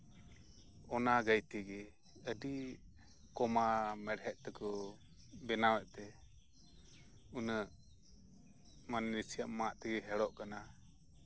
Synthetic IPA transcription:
ɔnaɡəjt̪iɡɛ | əɖi | kɔmamɛɽɦɛʔ̚t̪ɛkɔ | bɛnawɛʔt̪ɛ | unəʔ | manːisijaʔmaʔt̪ɛɡɛɦɛɽɔʔkana

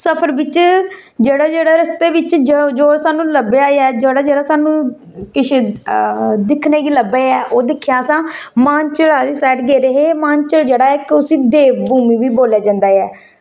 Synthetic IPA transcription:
səpʰəɾbɪt͡ʃ | d͡ʒeːɽaːd͡ʒeːɽaːɾəst̪eːʋɪt͡ʃd͡ʒod͡ʒoːsaːnũːləbeːaːeɛːd͡ʒeːɽaːd͡ʒeːɽaːsaːnũː | kɪʃʰ | d̪ɪkʰneːɡiːləbeːɛːʔoːd̪ɪkʰːjaːəsãːmãːnt͡ʃəlaːdisɛːʈɡeːɾəɦeːmãːnt͡ʃəld͡ʒeːɽaːɪkʊsĩːd̪eːʋbuːmiːʋiːboːlaːd͡ʒãːnd̪aːɛː

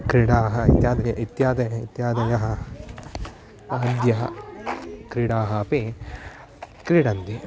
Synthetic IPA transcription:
kɾiɽaːɦɐit̪jaːd̪ɐjɐʔit̪jaːd̪ɐjɐit̪jaːd̪ɐjɐɦɐ | d̪jɐɦɐ | kɾiɽaːɦɐpi | kɾiɽɐnd̪i

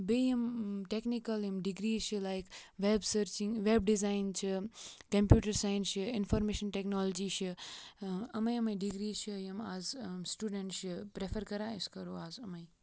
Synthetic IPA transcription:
bejimʈeknikɐljimɖiɡɾiːzt͡ʃʰɨlajkʋebsəɾt͡ʃĩŋʋebɖizaɪnt͡ʃʰɨkɐ̃mpjuːʈɐɾsajnʃɨɪnfɔɾmeːʃənʈeknɔlɔd͡ʒiʃɨ | ɐmɐjɐmɐjɖiɡɾiːzt͡ʃʰɨjɐmaːzsʈuɖẽɳʈʃɨpɾefɐɾkɐɾãiskɐɾoːaːzɐmɐj

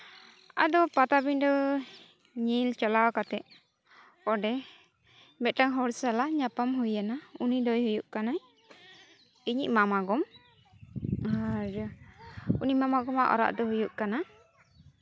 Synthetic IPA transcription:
a̰d̪ɔpat̪abiɲdɔ | ɲilt͡ʃalawkat̪ɛʔ | kɔɖɛ | mɛt̪̚ʈaŋɦɔɾsalaɲapamɦujanaunid̪ɔjhujuʔkanaj | iɲḭʔ̚mamaɡɔm | aɾ | unimamaɡɔmaʔɔ̰ɾa̰ʔd̪ɔɦujuʔkana

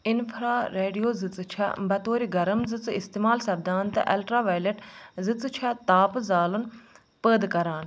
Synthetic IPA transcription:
ɪnfʰɾaːɾeːɖijoːzɨt͡st͡ʃʰa̰bɐt̪oːɾiɡɐɾəmzɨt͡sɪst̪eːmaːlsɐb̚d̪aːnt̪ɐ̰ʔɐlʈɾaːʋaːjleʈzɨt͡st͡ʃʰat̪aːpzaːlun | pəːd̪kɐɾaːn

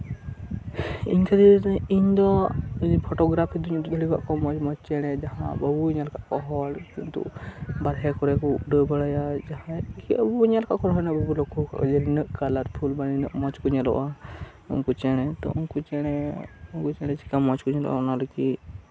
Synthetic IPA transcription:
ḭɲkʰad̪ɛiɲd̪ɔpʰɔʈɔɡɾapʰid̪uɲɡəliɡaʔkɔmɔt͡ʃmɔt͡ʃt͡ʃɛɽ̃ɛd͡ʒaɦã̰bəbuiɲalkaʔkɔɦɔlkint̪ṵbaɽɦɛkɔɾɛkɔuɖəbəɽajad͡ʒaɦãkiəbuiɲalkaʔkɔɾɦɔnəʔbəbulɔkʰɔkd͡ʒɛlinəʔkalaɾpʰulbaninəʔmɔt͡ʃkuɲɛlɔ̰ʔa | ṵnkut͡ʃɛɽ̃ɛt̪ɔ̰ʔunkut͡ʃɛɽ̃ɛunkut͡ʃɛɽ̃ɛt͡ʃi̥kamɔt͡ʃkuɲɛlɔ̰ʔa̰ɔnalɔki

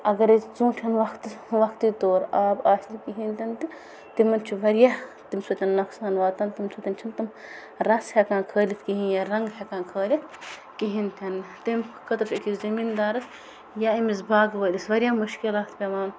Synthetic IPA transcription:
ɐɡɐɾezũːʈʰɐnʋɐkʰt̪ʋɐkʰt̪iːt̪oːɾaːbaːʃikiɦint̪ʰʲɐnt̪i | t̪imɐnt͡ʃʰiʋɐɾjaːt̪imsʰut̪ʲɐnːɐksaːnʋaːt̪ɐnt̪imsut̪ʲɐnt͡ʃʰint̪im | ɾɐshʲɐkãːkʰəːlʲit̪ʰkiɦĩjaɾɐŋɡhʲɐkãːkʰəːlʲit̪ | kiɦint̪ʲʰɐnt̪imkɐt̪ɐpʲʰikʰizɐmiːnd̪aːɾɐs | jaimisbaːɡʋəːlisʋɐɾʲjaːmuʃkilaːt̪ʰpʲeʋaːn

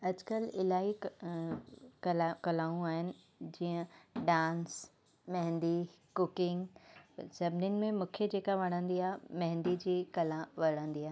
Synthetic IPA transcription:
ɐd͡ʑkəlɪlaːi | kɐlkɐlaːũaːɦɪnɪ̆ | d͡ʑiːə̃ɖãːns | mɐɦɪ̃nd̪i | kʊkɪ̃ŋɡsɐbniʊnɪ̆mẽmũːkʰed͡ʑeːkaʋɐɽ̃ə̃nd̪iaːemɐ̃ɦɪ̃nd̪id͡ʑiːkɐlãʋɐɽ̃ə̃nd̪iaːɦ

